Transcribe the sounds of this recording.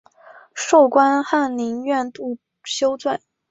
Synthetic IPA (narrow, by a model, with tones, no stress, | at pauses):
ʂo˥˩ʊkwa˥nxa˥˩nli˧˥ŋɥɛ˥˧nt̪u˥˧ | ɕjo˥ʊt͡swa˥˩n